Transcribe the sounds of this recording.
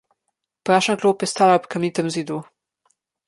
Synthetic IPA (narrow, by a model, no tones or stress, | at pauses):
pɾaʃakloːpjɛst̪alapkamʲit̪ɛmzid̪u